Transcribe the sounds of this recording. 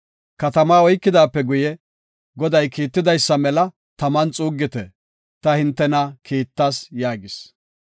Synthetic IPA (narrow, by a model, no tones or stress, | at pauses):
kɐt̪ɐmaːɔjkːɪd̪aːpːɛɡʊjɛ | ɡɔd̪ɐjkiːt̪ːɪd̪ɐjsːɐmɛlɐ | t̪ɐmɐnt͡sʼuːɡːɪt̪ɛ | t̪ɐhɪnt̪ːɛnɐkiːt̪ːaːsjaːɡɪs